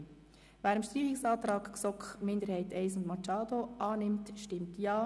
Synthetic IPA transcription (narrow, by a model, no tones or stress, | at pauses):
ʋæːɾəmʃtiːχɪksɑːt̪ɾɑːkksɔkχmɪndəɾhɛɪtɛɪsʊndmɑt͡ʃɑːd̥̪oʔɑːnɪmtʃtɪmtjɑː